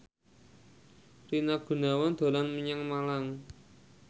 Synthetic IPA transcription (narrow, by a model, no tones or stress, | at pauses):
tinaɡ̥ṳnawand̪̥o̤lanməɲaŋmalaŋ